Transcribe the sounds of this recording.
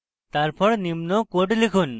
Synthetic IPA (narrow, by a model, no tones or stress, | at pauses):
t̪aɾpʰɔɽnimnɔkoʈlikʰun